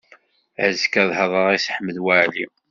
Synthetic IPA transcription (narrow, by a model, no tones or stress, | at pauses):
əzəkæðˤhəðˤəʁisħəmːəðwaʕli